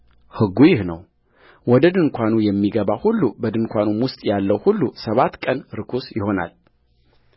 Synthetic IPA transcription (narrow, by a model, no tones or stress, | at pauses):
hɨɡːujɪhnə̰w | wɔd̪əd̪ɨŋkʷʰanujɛmːiɡəβahulːubəd̪ɨŋkʷʰanumwʊst̪ʼjalːəwhulːusəβat̪ːkʼənɾɨkʰusjɪho̞na̰l